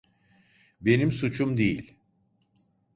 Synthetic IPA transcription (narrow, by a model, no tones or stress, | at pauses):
be̞nimsut͡ʃʰumd̪ejilʲ